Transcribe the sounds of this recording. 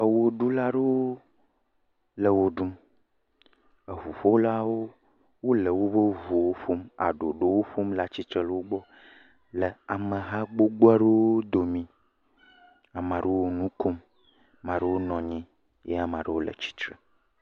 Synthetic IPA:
ə˨wo˨ɖu˦la˦ɖe˦wo˦ | lə˨wo˨ɖu˦m | ə˨vu˨ɸo˦wla˦wo˦ | wo˦lə˨wo˦bə˦vu˨wo˦ɸo˦ma̰˨ɖo̰˨ɖo˨wo˦ɸo˦mla˦t͡ɕi˦t̪ɾə˦lə˦wo˦ɡ͡bɔ˦ | lə˨a˨mə̃˨ɦã˦ɡ͡bo˦ɡ͡bo˦ɛ˦ɖe˦wo˦d̪o˨mĩ˨ | a˨mã˨ɖe˦wo˦nũ˦ko˦mː | ã˨ɖə˦wo˦nɔ̃˨ɲĩ˦ | je˦a˦mã˨ɖə˦wo˦lə̰˨t͡ɕi̥˦t̪ɾə˨

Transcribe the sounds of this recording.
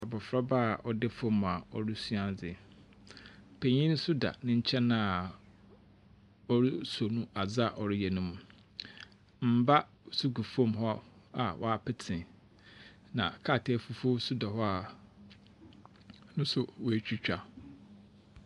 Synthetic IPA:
a˨bɔ˨fɾa˦ba˦˨ʔɔ˦dɪ˦fõ˦m̃˨a˨ɔ˦ɾɪ˦su˦ã˦˨nd͡zɪ˨ | pʰe˨ɲĩ˦n˦sʊ˦da̰˨nɪ̃˦ɲ̩˦t͡ɕʰɛ˦nã˦˨ | ɔ˦ɾɪ˦so˨nũ˦a˨d͡za˦˨ʔɔ˨ɾɪ˦jɛ˨nʊ̃˦mũ˨ | m̩˦ba˦ | su˦ɡu˨fõ˦˨mɦɔ˦a˦a˨wʔɔ̰˦a˨pʰɪ˦tʰɪ̃˨ | nã̰˨kʰa˦˨tʰɛ˦fu˦fo˦sʊ˦da˨ɦɔ˦a˨ | nʊ̃˦sʊ˨wɔ˨æ˨t͡ɕᶣi˦t͡ɕᶣa˦

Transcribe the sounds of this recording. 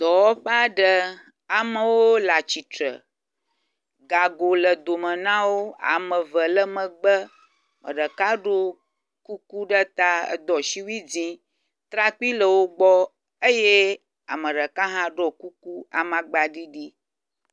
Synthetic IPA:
d̪ɔ˨wɔ˦ɸɛ˦a˦ɖə˨ | a˨mə̃˨wo˦la˨t͡ɕi˨t̪ɾə̰˨ | ɡa˨ɡo˨lə˨d̪o˨mə̃˨nã˦wo˦a̰˨mə̃˨və˨lə˦mə̃˨ɡ͡bə˦ | mə̰̃˨ɖə˨ka˦ɖo˦ | ku˦ku˦ɖə˦t̪a˦ə̰˨d̪ɔ˨ʃi˦wi˦d͡zĩ˦ | t̪ɾa˦k͡pi˦lə˨wo˦ɡ͡bɔ˦ | ə˦je˦ | a̰˨mə̃˨ɖə˨ka˦ɦã˦ɖo˦ku˦ku˦a̰˨mã˨ɡ͡ba˨ɖi˦ɖi˦

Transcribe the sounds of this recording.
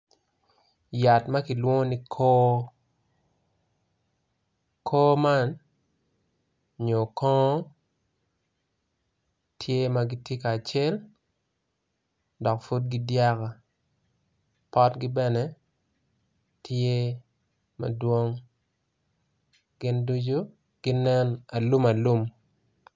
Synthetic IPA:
ja˨tma˦ki˨lwo˦ŋ˦ni˦kʰo˦ | kʰoː˦ma˦n | ɲo˨kɔ˦ | tʰje˦ma˦ɡi˦tje˦kaː˨t͡ʃe˦l | dɔ˨kfu˦d̚ɡɪ˦dja˦ka˨ | pɔ˦tɡɪ˦bɛ˦nɛ˨˦ | tʰje˦ | mɐ̰˨dwo˦ŋ | ɡ̥ɪ˦ndu˦d͡ʒu˦ | ɡ̥ɪ˦nɛ˦na˨lu˦ma˨lu˦m

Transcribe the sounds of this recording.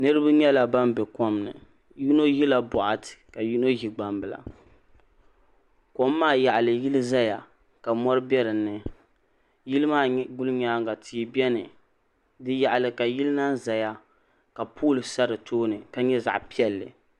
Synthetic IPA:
nɨ˦ɾɨ˦ba˦ɲɛ˦la˨ba˦mbɛ˨kɔ˦mnɨ̰˨ | ju˦no˦ji˦la˨bɔ˨ʔa˨tɨ̥˨ka˨ju˦no˦ʒi˨ɡ͡ba˨mbɨ˨la̰˨ | ko˨mː˦aː˦˨ja˨ʔa˨lɨ˨ji˦lɨ˦za˦ja˨ | ka˨mɔ˦ɾɨ˦bɛ˦ɾɨ˨nːɨ˨ | ji˦lɨ˦maː˦˨˦ɡʊ˦lɨ˦ɲaː˦ŋɡa˨tʰi˨˦bɛ˦nɨ˨ | dɨ˦ja˨ʔa˨lɨ˨ka˨ji˦lɨ˦na˦nza˨ja˦ | ka˨pʰuː˦lɨ˨sa˦ɾɨ˨tʰoː˦nɨ˨ka˦ɲɛ˦za̰˨ʔpi˦ɛ˦lːɨ̰˨

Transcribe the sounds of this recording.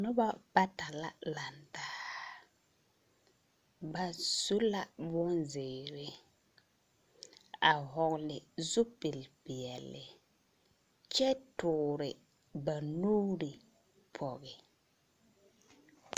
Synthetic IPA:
nʊ˦ba˦ba˦ta˨la˦la˨ntaː˦ | ba˨su˦la˦bʊ˦nzɪː˨ɾɪ˦ | a˨hɔ˨ɣlɪ˨zʊ˦pɪ˨lpɪ˨ɛ˨lːɪ˨ | t͡ʃɛ˦tʊː˨ɾɪ˨ | ba˨nuː˦ɾi˨ | pʰɔ˨ɣɪ˨

